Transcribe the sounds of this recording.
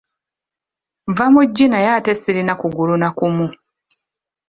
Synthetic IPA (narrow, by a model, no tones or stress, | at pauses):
vamuɟːinajatesiɾinakuɡulunakumu